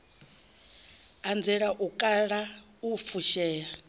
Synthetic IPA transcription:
and͡zɛɺaʔukʼaɺa | ufʰuʃɛːɺa

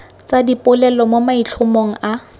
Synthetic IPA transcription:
t͡sadipʼʊlɛlɔmomait͡ɬʰʊmoŋ̩a

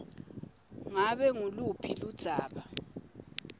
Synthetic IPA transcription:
ŋaɓɛŋulupʰilud̥z̥ʱaːɓa

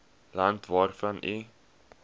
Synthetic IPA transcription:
lɐntvɑːrfɐnʔi

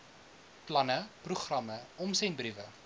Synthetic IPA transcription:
plɐnəpruχrɐməɔmsɛnbrivə

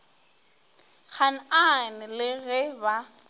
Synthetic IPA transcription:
k͡xʰan̩anɪlɪɣɛba

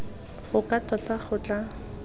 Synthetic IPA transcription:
χʊkatɔtaχʊt͡ɬʼa

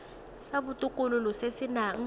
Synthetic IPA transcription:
saɓutʼukʼululusesinaŋ̩

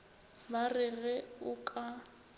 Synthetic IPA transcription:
barɪɣɛʊkʼa

